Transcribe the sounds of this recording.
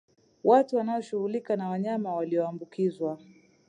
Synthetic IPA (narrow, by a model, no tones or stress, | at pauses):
watuwanaɔʃuhulikanawaɲamawaliɔambukʰizwa